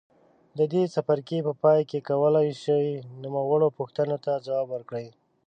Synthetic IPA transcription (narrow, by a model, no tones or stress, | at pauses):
d̪əd̪esapaɾkepəpɑjkekawəlajʃəwinumawəɽopuxt̪ənot̪ad͡zawɑbwəɾkɽəj